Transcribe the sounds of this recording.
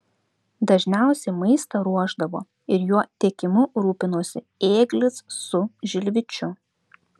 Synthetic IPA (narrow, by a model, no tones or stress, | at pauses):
d̪ɐʒʲnʲæˑʊsʲɛɪmɐɪst̪ɐɾuɔʒd̪ɐʋo̰ː | ɪɾjuɔt̪ʲiɛkʲɪmʊɾuːpʲɪnoːsʲɪ | eːɡlʲɪsːʊʒʲɪlʲʋʲɪt͡ʃʲʊ